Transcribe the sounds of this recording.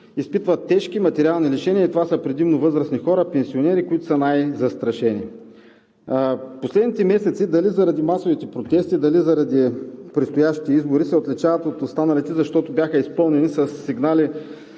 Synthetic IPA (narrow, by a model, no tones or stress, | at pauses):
ispit̪vɐt̪ːɛʃkimɐt̪ɛɾʲialˠniliʃɛniɐit̪ovasɐpɾɛd̪imnovɤzɾəsnixɔɾɐpɛnsionɛɾikʊit̪ʊ̥sɐnajzɐst̪ɾɐʃɛnʲḭ | poslɛd̪nit̪ɛmɛsɛt̪sid̪ɐlizɐɾɐd̪imasovit̪ɛpɾot̪ɛst̪id̪ɐlizɐɾɐd̪ipɾɛt̪st̪ojaʃt̪i̥t̪ɛizboɾisɛot̪lit͡ʃavɐt̪ot̪ost̪anɐlit̪ɛzɐʃt̪ɔt̪obʲjaxəispɤlˠnɛnisɐsːiɡnali